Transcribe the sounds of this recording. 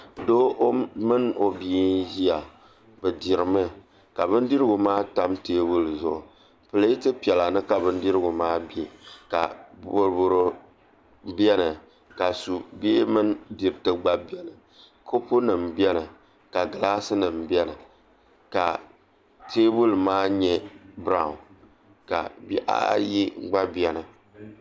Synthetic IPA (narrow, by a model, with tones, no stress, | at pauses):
do˦ʔmɨ˦no˨bi˨˦ʒi˦a˨ | bɨ˨di˨ɾɨ˨mɨ˦ | ka˨bɨ˦ndi˦ɾɨ˦ɡʊ˨maː˦ta˦mteː˦bu˦lzʊ˦˨ʔʊ˨ | pɨ˨lɨ˦i˦tɨ˦pi˨ɛ˨la˨nɨ˦ka˨bɨ˦n˦di˦ɾɨ˦ɡʊ˨maː˦be˦˨ka̰˨bo˨ɾbo˨ɾo˦ | bɛ˦nɨ˨ | ka˨su˨beː˦mɨ˦n˦di˨ɾɨ˨tɨ˦ɡ͡ba˦bi˦ɛ˦nɨ˨ | kʰo˦pu˦nɨ˨m˨bɛ˦nɨ˨ | ka˨ɡɨ˨laː˦sɨ˦nɨ˨m̩˨bɛ˦nɨ˨ | ka˨ | tʰeː˦bu˦lmaː˦ɲɛ˦bɾa˨ʊ˨n | ka̰˨bi˦ʔa̰˦ji˦ɡ͡ba˦bi˦ɛ˦nɨ˨